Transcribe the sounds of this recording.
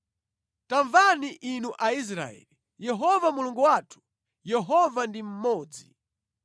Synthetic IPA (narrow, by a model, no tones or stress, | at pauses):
taɱvaniʔinuʔais̬ɾa̰ɛ̰li | jɛɦɔvamuluŋɡuwaːtʰu̥ | jɛɦɔvandim̩mɔːd͡zi